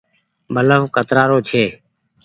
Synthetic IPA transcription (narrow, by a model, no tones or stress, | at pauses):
bʱələʋkət̪ɾaːɾoːt͡ʃʰeː